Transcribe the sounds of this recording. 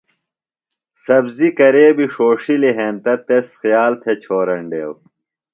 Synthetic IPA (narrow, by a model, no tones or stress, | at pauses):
sɐbzikɐɾeːbiʂoːʂiliɦent̪ɐt̪esxjaːlt̪ʰet͡ɕʰoːɾɐɳɖeːw